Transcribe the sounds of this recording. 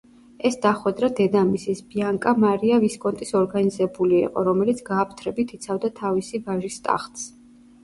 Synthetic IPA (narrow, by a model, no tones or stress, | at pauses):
ɛsd̪̥aχwɛd̪ɾad̪ɛd̪amisisbiaŋkʼamaɾiaviskʼɔnt̪ʼisɔɾɡanizɛbulḭːqʼɔ̰ɾɔmɛlit̪sʰɡaːpʰt̪ʰɾɛbit̪ʰit̪sʰavd̪at̪ʰavisivaʒist̪ʼa̰χt̪ʼs